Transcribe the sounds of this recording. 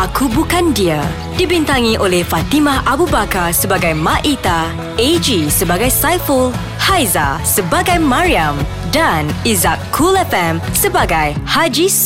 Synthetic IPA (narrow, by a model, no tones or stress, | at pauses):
ʔakubukandia | d̥ibint̪aŋĩʔolɛhfat̪imãɦabubakarsəbaɡajmãʔit̪a | ed͡ʒisəbaɡajsajfəl | hajza̰səbaɡajmaɹiam | danizakʰːulɛfɛmsəbaɡajhad͡ʒis